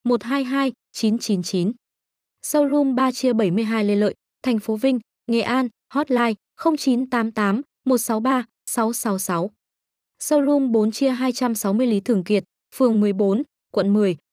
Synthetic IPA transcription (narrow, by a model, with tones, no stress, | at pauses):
mo˨˩t̚ɦaː˧jɦaː˧j | t͡ɕi˨˦nt͡ɕi˨˦nt͡ɕi˨˦n | sə˧wlu˧mɓaː˧t͡ɕi˧əɓə˧˩jmɨ˧əjɦaː˧jle˧lə̰ː˧˨j | t̪ʰɛ˨˩jŋ̟fo˨˦vï˧ŋ̟ | ŋe˨˩ʔaː˧n | hɔ˦˥t̚laː˧j | xə˧wŋ͡mt͡ɕi˨˦nt̪aː˨˦mt̪aː˨˦m | mo˨˩t̚sa˨˦wɓaː˧ | sa˨˦wsa˨˦wsa˨˦w | sə˧wlu˧mɓo˨˦nt͡ɕi˧əɦaː˧jt͡ɕa˧msa˨˦wmɨ˧əjli˨˦t̪ʰɨ˨˩əŋkḭ˨˩ət̚ | fɨ˨˩əŋmɨ˨˩əjɓo˨˦n | kwə̰˧˨nmɨ˨˩əj